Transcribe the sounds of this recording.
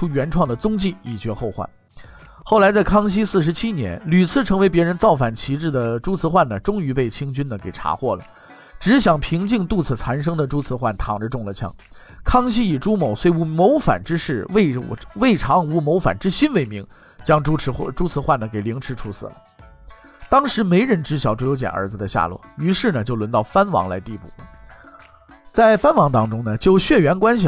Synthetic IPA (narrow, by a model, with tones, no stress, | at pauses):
u˥ɥɛ˧˥nʈ͡ʂʰwɑ˥˩ŋd̪ə˩t͡sʊ˥ŋt͡ɕi˥˩i˨˩t͡ɕɥɛ˧˥xo˥˧ʊxwa̰˥˩n | xo˥˩ʊ̯la˧˥ɪt͡sa˥˩ɪkʰɑ˥ŋɕ̬i˥sɹ̩˥˩ʂɻ̩˧˥t͡ɕʰi˥njɛ̰˧˥nly˨˩t͡sʰɹ̩˥˩ʈ͡ʂʰɤ˧˥ŋwe˧˥ɪp̬jɛ˧˥ɻə˧˥nt͡sɑ˥˩ʊfa˨˩nt͡ɕʰi˧˥ʈ͡ʂɻ̩˥˩d̪ə˩ʈ͡ʂu˥t͡sʰɹ̩˧˥xwa˥˩nə˩ʈ͡ʂʊ˥ŋy˧˥pe˥˩ɪt͡ɕʰi˥ŋt͡ɕy˥nd̪ə˨˩ke˨˩ɪʈ͡ʂʰa̰˧˥xwɔ̰˥˩lə̰˩ | ʈ͡ʂɻ̩˧˥ɕjɑ˨˩ŋpʰi˧˥ŋt͡ɕi˥˧ŋt̪u˥˧˩t͡sʰɹ̩˥˩t͡sʰa˧˥nʂ̬ɤ˥ŋd̪ə˨ʈ͡ʂu˥t͡sʰɹ̩˧˥xwa˥˩nt̪ʰɑ̰˨˩ŋʈ͡ʂə˧˦ʈ͡ʂʊ˥˧ŋlə˩t͡ɕʰjɑ̰˧˥ŋ | kʰɑ˥ŋɕ̬i˥i˨˩ʈ͡ʂu˥mo˨˩ʊswe˥˩ɪu˧˥˩mo˧˥ʊfa̰˨˩nʈ͡ʂɻ̩˥ʂɻ̩˥˩we˥˩ɪ˥we˥˩ɪʈ͡ʂʰɑ˧˥ŋu˧˥mo˧˥ʊfa̰˨˩nʈ͡ʂɻ̩˥ɕi˥nwe˧˥˩ɪmi˧˥ŋ | t͡ɕjɑ˥ŋʈ͡ʂu˥˧˥ʈ͡ʂu˥t͡sʰɹ̩˧˥xwa˥˩nd̪ə˩ke˨˩ɪli˧˥ŋʈ͡ʂʰɻ̩˧˥ʈ͡ʂʰu˧˥sʰɹ̩̰˥˩lə̰˩ | t̪ɑ˥ŋʂɻ̩˧˥me˧˥ɪɻə˧˥nʈ͡ʂɻ̩˧˥ɕjɑ˨˩ʊʈ͡ʂwu˥˩jo˧˥ʊt͡ɕjɛ̰˨˩nʔə̰˞˧˥d͡z̩˧d̪ə˧ɕja̰˥˧lwɔ̰˥˩y˧˥ʂɻ̩˥˩nə˩t͡ɕjo˥˩ʊlwə˧˥nt̪ɑ˥˩ʊfa˥nwɑ̰˧˥ŋla˧˥ɪt̪i˥˧pṵ˥˩ | t͡sa˥˩ɪfa˥nwɑ˧˥ŋt̪ɑ˥ŋʈ͡ʂʊ˥ŋnə˨t͡ɕjo˥˧ʊɕɥɛ˥˩ɥɛ˧˥nkwa˥nɕ̬i˨